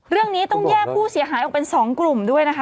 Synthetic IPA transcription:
ɾɯ˥˩əŋniː˦˥t̪ɔ˥˩ŋjɛː˥˩k̚pʰuː˥˩si˨˩˦ɐɦaː˩˦jʔɔː˨˩k̚pe˧nsɔː˩˦ŋklu˨˩mdu˥˩əjna˦˥kʰa˦˥

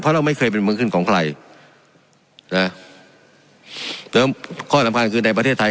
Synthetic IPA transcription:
pʰɔ˧˥ɾa˧˩wma˥˩jkʰɤː˧jp̬e˧nmɯː˧˥kʰɯ˥˩nkʰɔː˨˦ŋkʰla˧j | na˧˩ | t̪ɤː˧mkʰɔː˥˩sa˨˦mŋkʰnkʰɯː˧na˧p̬ɾʰeː˥˩t̪ʰːa˧

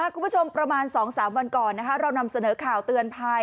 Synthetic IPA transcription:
aː˥˩ku˧mbu˦˥t͡ɕʰo˧mpɾa˧maː˧nsɔː˩˦ŋsaː˩˦mwa˧nkɔː˨˩nːa˦˥kʰa˦˥ɾa˧wna˧msa˧nɤː˩˦kʰaː˨˩wt̪ɯ˨˧ənpʰa˧j

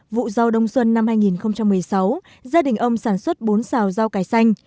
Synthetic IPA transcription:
vṵ˧˨za˧wɗə˧wŋ͡mswə˧nːa˧mhaː˧jŋi˨˩nxə˧wŋ͡mt͡ɕa˧mːɨ˨˩əjsa˨˦w | zaː˧ɗï˨˩ŋ̟ʔə˧wŋ͡msaː˧˩nswə˦˥t̚ɓo˨˦nsaː˨˩wza˧wkaː˨˦jsa˧jŋ̟

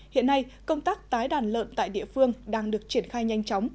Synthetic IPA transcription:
hḭ˧˨ənːa˧jkə˧wŋ͡mt̪aː˦˥k̚t̪aː˨˦jɗaː˧˩nlə̰ː˧˨nt̪a̰ː˧˨jɗḭ˧˨əfɨ˧əŋɗaː˧ŋɗɨ˨˩ək̚t͡ɕi˧˩ənxaː˧jɲa˧jŋ̟t͡ɕɔ˨˦wŋ͡m

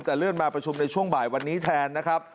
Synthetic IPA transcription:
mt͡ɕɛ˨˩lɯː˥˩ənmaː˧pɾa˧t͡ɕʰu˧mna˧jt͡ɕʰu˥˩əŋbaː˨˩jwa˧nːiː˦˥t̪ʰɛː˧nːa˦˥kʰɾa˦˥p̚

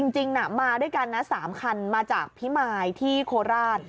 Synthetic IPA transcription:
t͡ɕi˧ŋt͡ɕi˧ŋna˨˩maː˧du˥˩jka˧nːa˦˥saː˩˦mkʰa˧nmaː˧t͡ɕaː˨˩k̚pʰi˦˥maː˧jt̪ʰiː˥˩kʰoː˧ɾaː˥˩t̪̚

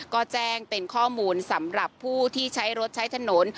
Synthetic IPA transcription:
kɔː˥˩t͡ɕɛː˥˩ŋpe˧nkʰɔː˥˩muː˧nsa˩˦mɾa˨˩pʰːuː˥˩t̪ʰiː˥˩t͡ɕʰa˦˥jɾo˦˥t̪̚t͡ɕʰa˦˥jt̪ʰa˧no˩˦n

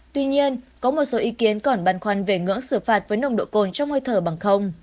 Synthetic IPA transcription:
t̪wi˧ɲi˧ənkɔ˨˦mo˨˩t̚so˨˦ʔi˨˦ki˨˦ənkɔ˧˩nɓaː˨˧˩nxwa˧˩nve˨˩ŋɨ̰˧˥əŋsɨ˧˩faː˨˩t̚vəː˨˦jnə˨˧wŋ͡mɗo̰˧˨ko˧˩nt͡ɕɔ˧wŋ͡mhoː˧jt̪ʰəː˧˩ɓa˨˩ŋxə˧wŋ͡m

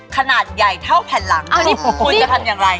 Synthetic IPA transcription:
kʰa˧naː˨˩t̪̚ja˨˩jt̪ʰa˥˩wpʰɛː˨˧˩nla˩˦ŋ˧˥˩kʰuː˧t͡ɕa˨˩t̪ʰmjaː˨˩ŋɾa˧j

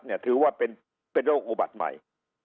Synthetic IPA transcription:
t̪̚ni˥˩ɐt̪ʰɯː˨˩˦waː˥˩pe˧n | pe˧nɾoː˥˩k̚ʔu˨˩ba̰˨˩t̪̚ma̰˨˩j

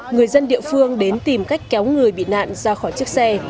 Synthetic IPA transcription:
ŋɨ˨˩əjzə˧nɗḭ˧˨fɨ˧əŋɗe˨˦nt̪i˨˩mka˦˥jk̟̚kɛ˨˦wŋɨ˨˩əjɓḭ˧˨na̰ː˧˨nzaː˧xɔː˧˩jt͡ɕɨ˦˥ək̚sɛ˧

